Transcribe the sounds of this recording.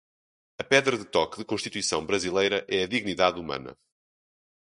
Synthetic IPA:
ɐpɛðɾɐðɨt̪ɔkðɨkõʃt̪it̪wisɐ̃w̃bɾɐzilˠejɾɐʔɛɐðiɣniðaðumɐ̰nɐ̰

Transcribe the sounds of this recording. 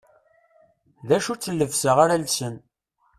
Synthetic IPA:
ðæʃut͡sːəlːəvsəʁaɾælsən

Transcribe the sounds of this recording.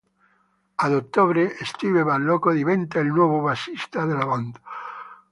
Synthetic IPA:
aðot̪ːoβɾeest̪iβeβallokoðiβent̪aelnwɔβoβasist̪aðelaβand̪a

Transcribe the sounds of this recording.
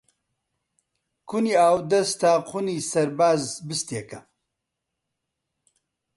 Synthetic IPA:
kʰuniːaːwd̪ɐst̪aːqʰuniːsɐɾbaːzbɨst̪eːkɐ

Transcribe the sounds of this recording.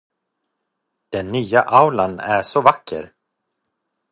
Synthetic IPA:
d̪̥ɛnːyːaʔawlanæ̰ʂɔvakːə̰ɾ

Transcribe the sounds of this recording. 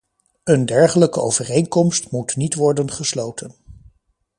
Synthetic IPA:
əndɛɹχələkəowvərejŋkɔmstmutnitʋɔɹdənχəslowtʰən

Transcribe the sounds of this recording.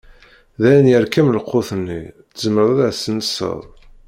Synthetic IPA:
ðæjnjæɾkːæmlqːoθənːitzməðˤəðæsənsə̰ðˤ

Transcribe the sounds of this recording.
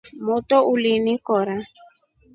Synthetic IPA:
motɔʔulinĩkɔɾa

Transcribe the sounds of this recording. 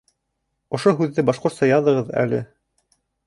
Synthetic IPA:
ŏʃoɦʉðːɘbɑʃqŏɾt̪sɑjɑðɤ̆ʁɤðæ̰lɘ̰

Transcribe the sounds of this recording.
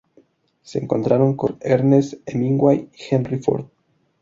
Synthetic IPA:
seːŋko̞̰nt̪ɾaɾo̞ŋko̞neɾnesemiŋɡwajixenrifo̰ɾd̪

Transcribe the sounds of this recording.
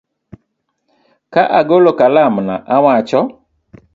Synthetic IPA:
kaʔaɡolokalamna̰ʔawat͡ʃɔ

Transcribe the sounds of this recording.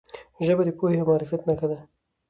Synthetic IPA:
ʒəbaɾipohemɑːɾɪfjat̪nakad̪a

